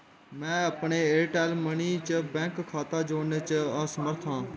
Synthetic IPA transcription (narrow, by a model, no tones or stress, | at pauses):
mɛ̃ːəpɳeːeːʈeːlməniːt͡ʃəbɛ̃ːŋkkʰːaːt̪ãːd͡ʒoːnet͡ʃəəsəməɾt̪ʰãː